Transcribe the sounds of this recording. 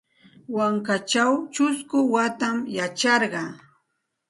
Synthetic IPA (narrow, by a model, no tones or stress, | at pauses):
waŋkat͡ʃawt͡ʃʊskʊwat̪amjat͡ʃɑɾɢɑ